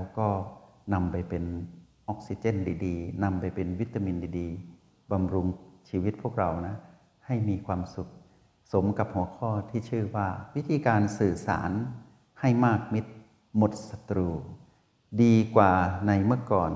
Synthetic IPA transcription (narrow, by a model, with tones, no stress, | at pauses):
wkɔː˧˩ | na˧mpa˨jpe˨n | ʔɔ˧˥k̚si˧t͡ɕe˧˥˨ndiː˨˦diː˨˧na˧mpa˨jpe˨nwi˦˥t̪ːa˧mi˧ndiː˨˧˦diː˨˧ | ba˧mɾu˧ŋsiː˧wi˧˦˥t̪̚pʰu˥˩ək̚ɾa˧˩wna˧˥ | ha˧˩jmiː˧kʰwaː˧msu˧˦k̚ | so˨˦mka˧p̚hu˨˩˦əkʰɔː˧˩˨t̪ʰiː˧˨sʰɯː˧˩waː˧˩wi˦˥t̪ʰiː˧˦kaː˧nsɯː˨˧˩sa̰ː˨˩˦n | ha˧˩jmaː˥˩k̚mi˧˥t̪̚ | mo˧˦t̪̚sa˧t̪ɾuː˧ | diː˨˧kwaː˨˩na˧jmɯ˧˩əkɔː˨˩n